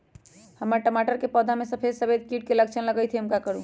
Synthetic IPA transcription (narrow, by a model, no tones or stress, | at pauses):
həmːəɾʈəmaʈəɾkepɔd̪ʱamesəpʰed̪səbed̪̚kiʈkeləkt͡ʃʰənləɡət̪ʰiɦəmkakəɾu